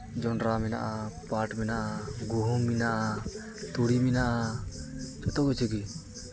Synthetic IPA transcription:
d͡ʒɔnɾamɛna̰ʔapaʈmɛnaʔaɡuɦuŋminaʔa | t̪uɽiminaʔa | t͡ʃɔt̪ɔkɔt͡ʃʰeɡi

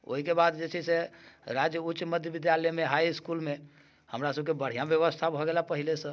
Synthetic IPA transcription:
o̰ɦikebad̪d͡ʒet͡ʃʰɛseɾad͡ʒjəut͡ʃməd̪ʱjəbid̪ʱjalɛmeɦaiskulme | həmɾasəbʱkebəɽ̤ijãbjəβəst̪ʰabʱɔɡelapəɦilesə̃

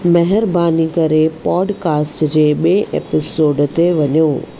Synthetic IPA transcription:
mɐɦɪɾbaːnikɐɾepɔːɖkaːsʈd͡ʑeːɓiẽʔḛːpɪsoːɖt̪eʋɐɲoː

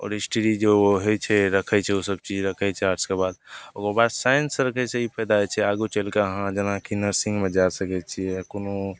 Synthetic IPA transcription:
ɔ̰ːɾisʈəɾid͡ʒooɦɛt͡ʃʰɛɾəkʰɛt͡ʃʰɛusəb̚t͡ʃid͡ʒɾəkʰɛt͡ʃʰɛaɾskebad̪oɡobasajənsəɾəkʰɛseipʰəjd̪aɛt͡ʃʰɛaɡut͡ʃəlkeɦãd͡ʒənakinəɾsĩŋɡmed͡ʒasəkɛt͡ʃʰiɛkono

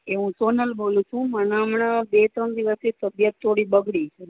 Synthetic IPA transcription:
eʋũsonəlbolũt͡ʃʰũmənamɳabet̪ɾənd̪iʋəsit̪əbjət̪ʰːoɽibəɡɽit͡ʃʰe

